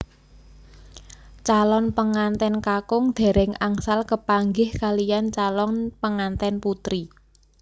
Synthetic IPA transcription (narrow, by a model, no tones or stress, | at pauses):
t͡ʃalɔnpəŋant̪ɛnkakʊŋd̪̥e̤ɾɪŋaŋsalkəpaŋɡɪhkalijant͡ʃalɔnpəŋant̪ɛnput̪ɾi